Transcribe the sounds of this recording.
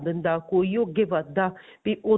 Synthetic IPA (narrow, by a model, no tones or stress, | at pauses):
bənd̪akoioɡeʋad̪a | piʔo